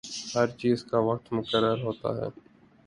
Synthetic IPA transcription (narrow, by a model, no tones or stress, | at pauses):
həɾt͡ʃiːzkaːʋək̚t̪mʊkəɾːəɾɦoːt̪a̰ːɦɛ̰ː